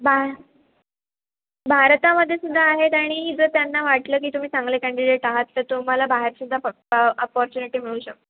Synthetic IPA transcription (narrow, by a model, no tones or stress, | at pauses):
bʱa | bʱaɾt̪aməd̪ʱːjesud̪ʱːaːɦet̪aɽ̃iɦiːd͡zət̪janːaʋaʈləːk̬iːt̪um̤iːsãŋɡlekæɳɖiɖeʈaɦat̪ːəɾt̪um̤alabaɦeɾsud̪ʱa | əpɔɾt͡ɕuniʈiːmiɭuːɕək̚t̪